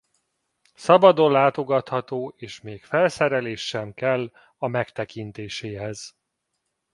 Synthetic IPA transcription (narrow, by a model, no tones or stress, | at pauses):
sɒbɒd̪o̞nlaːt̪o̞ɡɒt̪hɒt̪oːeːʃmeːkfɛlsɛɾɛleːʃːɛmkɛlː | ɒmɛkt̪ɛkint̪eːʃeːɦɛz̥